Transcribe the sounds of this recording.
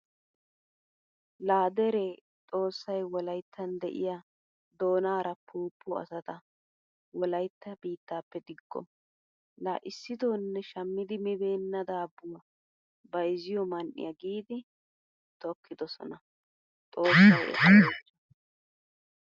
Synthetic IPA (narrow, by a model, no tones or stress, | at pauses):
laːd̪ɛɾe | t̪ʼo̞ːsːɐjwɔlɐjt̪ʰːɐnd̪ɛʔɪ̰ja | d̪o̞ːnaːɾɐpʰuːpʰːɔɐ̰sɐt̪ɐ | wɔlɐjt̪ːɐbiːt̪ːaːpːɛd̪ɪɡːɔ̰ | la̰ːʔɪsːɪd̪oːnːɛʃɐmːɪd̪ɪmɪbeːnːɐd̪aːbʊwɐ | bɐjzɪjɔmɐnʔɪ̰jɐɡiːd̪ɪ | t̪ɔkʰːɪd̪ɔsɔ̰nɐ | t̪ʼo̞ːsːɐ̰